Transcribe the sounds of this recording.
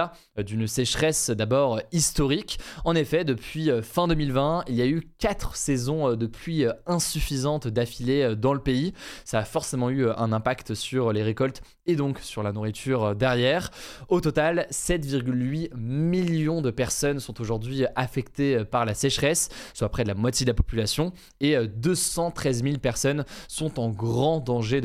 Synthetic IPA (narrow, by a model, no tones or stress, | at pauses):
a | d̪ynsɛʃχɛsd̪abɔʁøist̪ɔʁikɑ̃nefɛd̪əpɥiøfɛ̃d̪əmilvɛ̃iljaykat̪χsɛzɔ̃ød̪əpʰɥiøɛ̃syfizɑ̃t̪d̪afileød̪ɑ̃ləpeisaːfɔʁsemɑ̃yøʔɛ̃nɛ̃pakt̪syʁleʁekɔlt̪ | ed̪ɔ̃ksyʁlanuʁit̪ʰyʁød̪ɛʁjɛːʁot̪ɔt̪alsɛt̪viʁɡʲylɥimiljɔ̃d̪əpɛʁsɔnsɔ̃t̪oʒuʁd̪ɥiʔafɛkt̪eøpaʁlasɛʃχɛsːwapχɛd̪əlamwat̪jed̪əlapɔ̥pylasjɔ̃ | eød̪øsɑ̃t̪χɛzmilpɛʁsɔnsɔ̃t̪ɑ̃ɡʁɑ̃d̪ɑ̃ʒe